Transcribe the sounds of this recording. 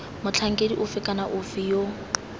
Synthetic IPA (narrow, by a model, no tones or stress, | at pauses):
mʊt͡ɬʰaŋ̩kʼediʔʊfɪkʼanaʔʊfijo